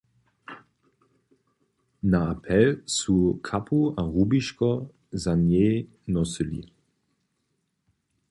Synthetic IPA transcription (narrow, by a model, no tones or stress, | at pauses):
naapʰɛlsukʰapʰuaʁubiʃkɔ | zanjeː | nɔsəlḭ